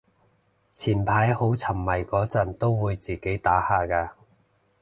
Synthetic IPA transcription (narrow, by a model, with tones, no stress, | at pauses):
t͡sʰiː˨˩npʰaː˨˥jho˨˥wt͡sʰɐ˨˩mːɐ˨˩jkɔː˨˥t͡sɐ˨˩nt̪o˥wwuː˨˧jt͡siː˨˩ke˨˥jt̪aː˨˥haː˨kaː˧